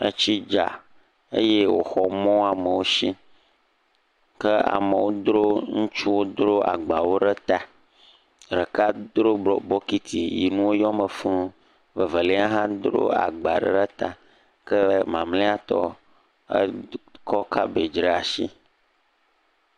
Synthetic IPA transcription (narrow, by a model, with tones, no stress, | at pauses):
ə̰˦t͡ɕi˦d͡ʒa˨ | ḛ˦je˦wo̰˨xɔ˨mɔ̃˦a˨mə˨wo˦ʃi˦ | kə˦a̰˨mə˨wo˦d̪ɾo˦ŋũ˦t͡ʃu˦wo˦d̪ɾo˦a̰˨ɡ͡ba˨wo˦ɖə˦t̪a˨ | ɖə˨ka˦d̪ɾo˦˨bɔ˦ki˦t̪ʰi˨ji˨nũ˦wo˦jɔ˦mə˨fũ˦ | və˨və˨le˦a˦ɦã˦d̪ɾo̰˦a̰˨ɡ͡ba˨ɖə̰˦ɖə˦t̪a˨ | kə˦mã˨mlẽ˦a˦t̪ɔ̰˦ | ə̰˦kɔ˦ka˦be˨d͡ʒɾə˦a˨ʃḭ˦